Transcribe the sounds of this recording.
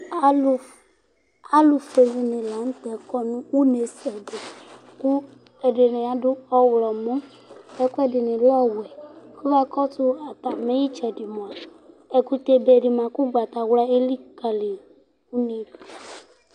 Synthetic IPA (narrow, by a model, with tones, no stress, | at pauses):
a˦lʊ˨fe˨vi˨nɪ̃˨la˨˦n̩˦t̪ɛ˨kɔ˦nũ˦wu˦ne˨sɛ˨de˨ | ku˦ | ɛ˨dɪ˨nɪ˨a˨dʊ˦ɔ˦wlɔ˨mõ˦ | ɛ˦ku˦ɛ˨dɪ˨nɪ̃˨lɔ˦wɛ˨ku˦va˦kɔ˦tʊ˦a˨pa˨me˦ji˦t͡ʃɛ˨di˨mo˨a˨ | ɛ˨ku˦t̪e˨be˨ɖi˨mã˨ku˦ɡ͡ba˨t̪a˨wla˦e˦li˦ka˨li˨ | u˦nĩ˦˨